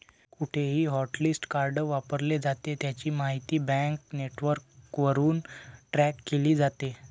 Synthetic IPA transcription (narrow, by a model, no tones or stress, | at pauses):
kuʈʰeɦiːɦɔʈlisʈkaɾɖəʋapəɾled͡zat̪et̪jat͡ɕiːmaɦit̪iːbɛ̃ŋkneʈʋəɾkʋəɾuːnʈɾɛkːeliːd͡zat̪e